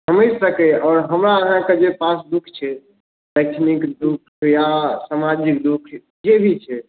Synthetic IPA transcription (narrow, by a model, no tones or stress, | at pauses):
səməsəkɛɔːɾɦəmɾaəɦãked͡ʒepasd̪ukʰt͡ʃʰɛ | ləɪt͡ʃʰnikd̪ukʰjasamad͡ʒikd̪ukʰ | d͡ʒebʱit͡ʃʰɛ